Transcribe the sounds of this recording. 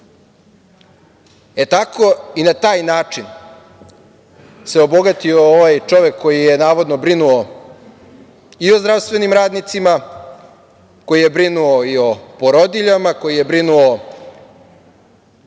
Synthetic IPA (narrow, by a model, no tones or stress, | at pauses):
e̞t̪akʰoinat̪aːjnaːt͡ʂin | se̞obo̞ɡat̪iooʋajt͡ʂo̞ʋe̞kʰːo̞jije̞naːʋo̞d̪nobɾinuo | iozd̪ɾaʋst̪ʋe̞nimɾaːd̪nit̪sima | ko̞jije̞bɾinuoio̞poɾod̪iʎamako̞jije̞bɾinuo